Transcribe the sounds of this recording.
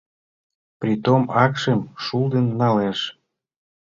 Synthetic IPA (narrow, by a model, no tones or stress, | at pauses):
prit̪omɑkʃemʃuld̪ənːɑleʃ